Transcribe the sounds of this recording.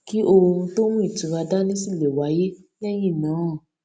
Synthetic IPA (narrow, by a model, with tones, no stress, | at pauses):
ki˨˦ʔo˧ɾũ˧to˦w̃ũ˦i˦˨tu˨˦ɾa˧da˦nĩ˦si˦˨le˨wa˨˦je˦ɛ̃˦ji˦˨nã˨˦˨